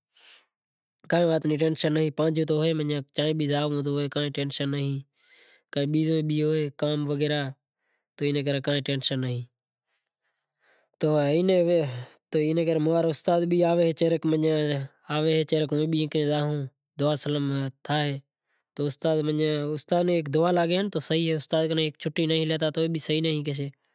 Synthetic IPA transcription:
kaːẽːʋaːt̪nĩːʈẽːnʃənːəɦĩːpãːnd͡ʒũːt̪oːɦeːməɲãːt͡ʃãːẽːɓiːzaːõːt̪̬oːɦoeːkãːẽːʈeːnʃənːəɦĩː | kaːẽɓiːzõːĩːɓiːɦoːeːkaːmʋəɡeːɾaː | t̪oːiːnẽːk̬əɾẽːkãːẽːʈẽːnʃənːəɦĩː | t̪oːiːnet̪oːiːneːkəɾeːmoaːɾʊst̪aːd̪ɓiːaːʋeːɦeːt͡ʃeːɾəkmə̃ɲeː | aːʋeːɦeːt͡ʃeːɾəkõːẽːɓiẽːkɾẽːɗ̪aːɦũː | d̪ʊaːsələmt̪ʰaːɦeː | t̪oːʊst̪aːd̪məẽːʊst̪aːneːeːkd̪ʊaːlaːɠeːnt̪oːsəɦiːɦeːʊst̪aːd̪̚kənekt͡ʃʰʊʈːiːnəɦĩːleːt̪̬aːt̪oːeːɓiːsəɦiːnəɦĩːk̬et͡ʃeː

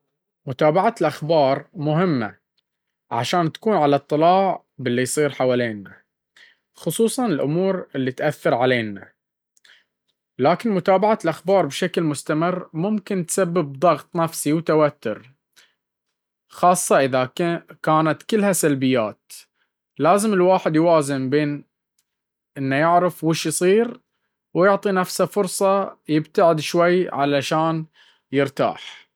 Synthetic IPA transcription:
mʊt̪aːbaʕalʔaxbɑːɾˤmʊɦɪmːa̰ | ʕa̰ʃaːnt̪ḁkuːnʕalɑt̪ˤːɨlɑːʕ | bɪlːijsˤiːɾħawaːleːnːa | xʊsˤuːsˤɑnɪlʔʊmuːɾɪlːit̪ʔaθːɑɾˤʕaleːnːa | laːkɪnmʊt̪aːbaʕalʔaxbɑːɾˤbʃaklmʊst̪amɪrːmʊmkɪnt̪sabːɪb̚d̪ˤɑɣt̪ˤnafsiwt̪awat̪ːʊɾ | xɑːsˤːɑʔɪðakaːnat̪kɪlːhasalbɪjːaːt̪ | laːzɪmɪlwaːħɪd̪jwaːzɪmbeːn | ʔɪnːajɪʕɾɪfwɪʃjsˤiːɾ | wjʊʕt̪ˤinafsafʊɾsˤɑjɪbt̪aʕɪd̪ʃwajːʕalaʃaːn | jɪɾt̪a̰ːħ

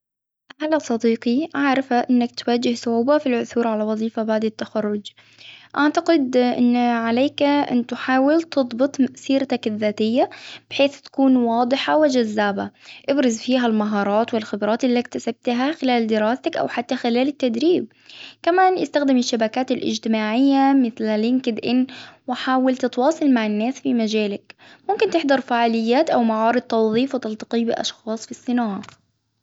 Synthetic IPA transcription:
ʔahlasˤɑd̪iːqiʔaʕɾˤɑfaʔɪnːakt̪waːd͡ʒːɪhsˤʊʕuːbafilʕʊθuːɾʕalawɑðˤiːfabaʕd̪ɪt̪ːaxɑrˤːʊd͡ʒ | ʔaʕt̪aqɪd̪ʔɪ̰nːʕaleːkʔɪ̰nt̪ħaːwɪlt̪ɨd̪ˤbɨt̪ˤmaʔsiːɾt̪akɪðːaːt̪ɪjːab̥ɪħeːθt̪ḁkuːnwɑːd̪ˤɨħawɪd͡ʒazːaːba̰ʔɪbɾɑzfiːɦalmaɦɑːɾˤɑːt̪wɪlxɪbɾˤɑːt̪ʔɪlːik̚t̪asab̥̚t̪ɦaxɪlaːld̪ɪɾɑːst̪akʔa̰wħat̪ːaxɪlaːlɪt̪ːad̪ɾiːb̚ | kamaːnʔɪst̪axd̪ɪmɪʃːabakaːt̪ɪlʔɪ̰d͡ʒt̪ɪmaːʕɪjːamɪθlalɪŋkɪd̪ʔɪnːwɪħaːwalt̪ɪt̪wɑːsˤɑlmaʕɪnːaːsfimad͡ʒaːlak | mʊmkɪnt̪ɪħd̪ɑɾˤfaːʕaːlɪjːaːt̪ʔawmaʕɑːɾɨd̪̚t̪ːɑwðˤiːfwɪt̪ɑlt̪ɑ̥qiːbɪʔɑ̰ʃxɑːsˤfisˤːɨnɑːʕɑ

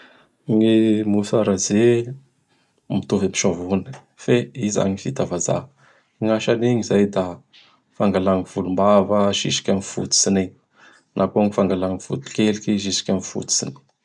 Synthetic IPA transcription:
ŋimusaɾaze | mit̪uvemi̥ʃavunə̥ | feiza̰ɲifit̪avaza̰ | iŋaʃaniɲizajd̪a | faŋɡalaŋiv̥ulumbavaʃḭʃi̥kʲamifṵt̪u̥sini | nʔakoŋifaŋɡalaŋifut̪u̥kelikʲiʃ̬iʃi̥kʲamifṵt̪u̥sḭni̥

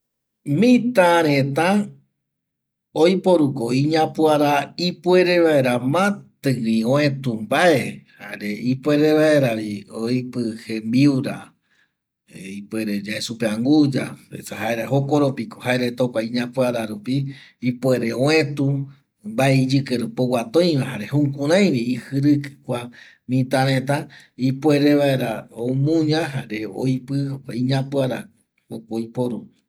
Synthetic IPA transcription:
mĩt̪ãɾ̃ẽt̪ã | ojpo̞ɾukoiɲãpuaɾaipwe̞ɾe̞βaeɾamãt̪ɨiõẽt̪umbae̞haeɾeipwe̞ɾe̞βaeɾaβiojpɨhembiuɾa | ipueɾe̞d͡ʒaesupeãŋɡud͡ʒa̰ḛsaɦaeɾahokoɾopikohaeɾet̪okʷaĩɲãpɨaɾaɾupiːpweɾeoẽt̪u | mbaeid͡ʒɨkeɾɨpowat̪õj̃ʋãhaɾehũkũɾãj̃ɾeihɨɾɨkɨ̥kʷa | mĩt̪aɾẽt̪a | ipwe̞ɾeβaeɾaomũɲãɦaɾe̞o̰jpɨiɲãpɨaɾa | okojpoɾu

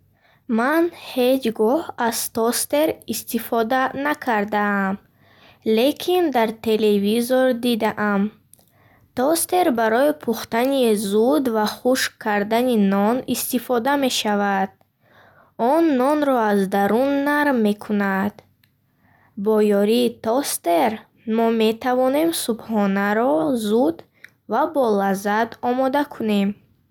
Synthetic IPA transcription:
manhe̞d͡ʒɡɔhaz̥t̪ɔst̪e̞ɾist̪ifɔd̪anakʰaɾd̪aːm | le̞kʰind̪aɾt̪ʰe̞le̞vizɔɾd̪id̪aʔam | t̪ɔst̪e̞ɾbaɾɔipʰuχt̪anizud̪vaχuʃkʰːaɾd̪aninɔnist̪ifɔd̪ame̞ʃavad̪̥̚ | ɔnːɔnɾɔazd̪aɾunːaɾmːe̞kʰunad̪ | bɔjɔɾiːt̪ɔst̪e̞ɾ | mɔme̞t̪ʰavɔne̞msubhɔnaɾɔzud̪ | vabɔlazad̪ɔmɔd̪akʰune̞m

